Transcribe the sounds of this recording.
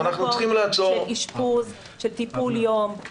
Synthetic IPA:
anaχnuχimlaat͡soeʁiʃpuz | ʃelt̪ipuljo̞m

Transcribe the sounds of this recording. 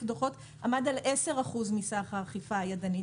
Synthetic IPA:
fd̪oχo̞t | ʔamadalʔese̞ʁaχuzmisaχhaχifaːjadani

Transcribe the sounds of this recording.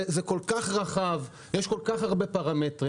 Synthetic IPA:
zeko̞lkaχʁaχav | jeʃko̞lkaχaʁbepaʁametʁi

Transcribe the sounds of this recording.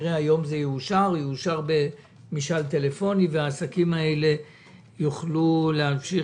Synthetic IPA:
ʁeajo̞mzejeuʃaʁjeuʃaʁbe̞ | miʃalt̪e̞le̞fo̞niveaːsakimae̞le̞ | juχluleɦafʃi

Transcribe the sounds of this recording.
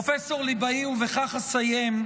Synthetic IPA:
feso̞ʁlibaiuveχaχasajem

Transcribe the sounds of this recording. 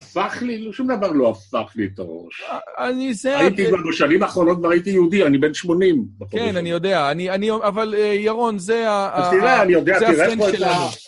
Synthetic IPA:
afaχlilʃumd̪avaʁlo̞afaχliet̪aʁo̰ʃanizeait̪ivaʁbeʃanimaːχʁo̞not̚kvaʁait̪ijeud̪ianibenʃmo̞nimbeχoenanijo̞d̪eaːnianioavalejaʁo̞nzeat̪ilaanijo̞d̪eaaiʁenpoeela

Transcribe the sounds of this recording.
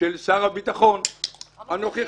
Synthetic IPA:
elsaʁabit̪aχo̞nanoχi

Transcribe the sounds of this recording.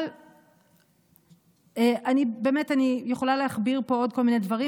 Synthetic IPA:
l | eʔanibe̞metanijeχo̞lalehaχbiʁpo̞o̞d̚ko̞lmine̞dvaʁi

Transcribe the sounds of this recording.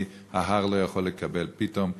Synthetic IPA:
haɦaʁlo̞jaχo̞lːekabe̞lpitom

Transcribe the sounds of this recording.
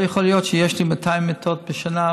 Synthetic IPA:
jaχolijot̪ʃejeʃlimatʰajimːet̪ʰot̪̚beʃana

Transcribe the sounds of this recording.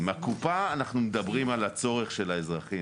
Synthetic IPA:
makupaːnaχnumed̪abʁimalat͡so̞ʁeχʃe̞laezʁaχi

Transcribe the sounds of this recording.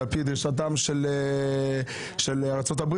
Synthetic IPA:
pid̪ʁiʃat̪amʃele | ʃelaʁt͡sot̪abʁ

